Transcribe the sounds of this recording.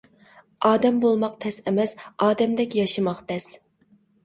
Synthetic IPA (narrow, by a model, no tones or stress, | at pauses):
ɑːd̪ɛmbolˠmɑqt̪ʰɛsɛmɛsɑːd̪ɛmd̪ɛkʲjɑʃɨmɑqt̪ʰɛs